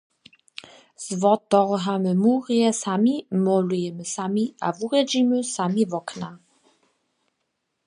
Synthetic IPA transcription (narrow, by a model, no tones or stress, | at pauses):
z̥vɔtɔʁɦaməmuːʁiɛsamimɔlujɛməsamiʔa̰vuʁɛd͡ʑiməsamivɔkna